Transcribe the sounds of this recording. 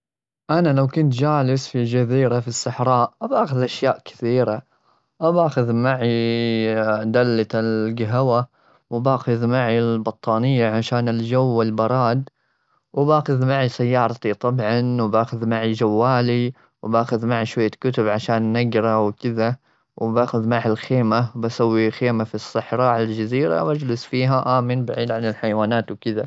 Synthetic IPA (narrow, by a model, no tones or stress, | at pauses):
ʔanalawkʊnt̪d͡ʒaːlɪsfid͡ʒaziːɾafisːɑħɾˤɑːʔʔabaːxʊðʔaʃjaːʔkɪ̥θiːɾa | ʔabaːxʊðmaʕi | d̪alːaɪlɡaɦawa | wbaːxʊðmaʕilbɑt̪ˤːɑːnɪjːaʕaʃaːnɪld͡ʒawːɪlbɑɾˤɑːd̪ | wɪbaːxʊðmaʕisajːɑːɾˤɑt̪it̪ˤɑbʕɑnwbaːxʊðmaʕid͡ʒawːaːli | wbaːxʊðmaʕiʃwajːakʊt̪ʊbʕaʃaːnːaɡɾˤɑwkɪða | wbaːxʊðmaʕɪlxeːmawbasawːixeːmafisˤːɨħɾˤɑʕald͡ʒaziːɾa̰wʔad͡ʒlɪsfiːɦaʔaːmɪnbaʕiːd̪ʕanɪlħajwaːnaːt̪wkɪða